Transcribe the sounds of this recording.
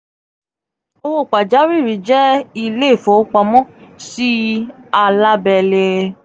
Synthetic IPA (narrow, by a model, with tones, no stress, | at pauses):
o˧o˦˨k͡pa˨d͡ʒa˨˦ɾi˦˨ɾi˨˦d͡ʒɛ˦i˧le˦˨fo˨˦k͡pa˧mɔ̃˦si˦a˧la˦bɛ˧˨le˧